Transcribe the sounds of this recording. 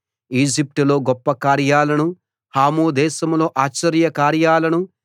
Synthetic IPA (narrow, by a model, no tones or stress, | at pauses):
iːd͡ʒip̚ʈulo̞ːɡɔpːɐkaːɾjaːlɐnu | haːmuːd̪ɛːʃɐmlo̞ːʔaːt͡ʃːɐɾjɐkaːɾjaːlɐnu